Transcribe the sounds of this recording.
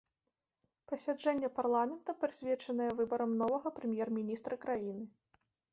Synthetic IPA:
pɐsʲad͡ʐɛnʲːɛparlˠamʲɛnt̪ɐpɾɨsʲvʲɛt͡ʂɐnɐjɛvɨbɐɾɐmnɔvɐɣɐpɾɨmʲjɛrmʲinʲist̪ɾʔɐkɾajinɨ

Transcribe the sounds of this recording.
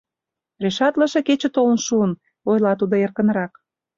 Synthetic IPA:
reʃɑt̪lə̆ʃeket͡ɕə̆t̪olənʃuən | ojlɑt̪ud̪oerkə̆nɾɑk

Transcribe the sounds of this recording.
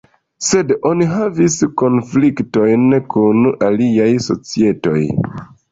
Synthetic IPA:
se̞do̞niɦavisko̞nflikto̞jnkʰunaliajso̞̰t͡sie̞to̞̰j

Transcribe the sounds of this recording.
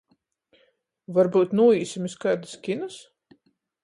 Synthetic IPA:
vaɾbuːt̪nuːiːsimiskajd̪ɨskʲinas

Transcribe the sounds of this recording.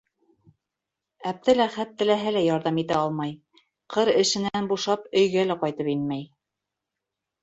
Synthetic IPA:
æp̚t̪ɘlæχæt̪ːɘ̆læɦɘlæjɑɾðɑmit̪æɑlˠmɑj | qʰɤɾɘ̆ʃɘ̆nænbuʃɑpɵ̆jɡælæqɑjt̪ɤpinmæj

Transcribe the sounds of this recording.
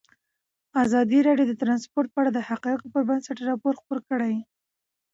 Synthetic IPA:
azɑd̪iɾɑɖjod̪ət̪ɾɑnspoɾt̪̚pəaɽad̪əhaqɑjkopəɾbənsaʈɾɑpoɾxpoɾkəɽaj

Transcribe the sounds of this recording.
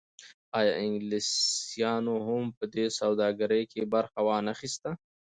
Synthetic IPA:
ɑjɑʔɪŋɡlisjɑnoɦʊmpəd̪esawd̪ɑɡəɾəjkʰebaɾxawɑnaxist̪a

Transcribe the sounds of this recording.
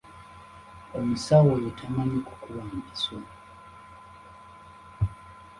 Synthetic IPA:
ɔmisawɔjutʰamaɲiku̥kuwam̩misɔ

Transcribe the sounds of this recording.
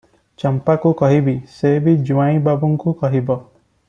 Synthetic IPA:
t͡ʃɔmpakukɔɦibisebid͡ʒuãĩbabuŋkukɔɦibɔ

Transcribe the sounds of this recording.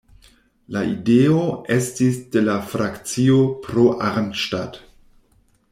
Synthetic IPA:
laideoe̞stisde̞lafɾakt͡sio̞pɾoʔaɾntʃtad

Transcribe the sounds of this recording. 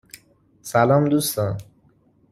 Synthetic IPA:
salamd̪usã

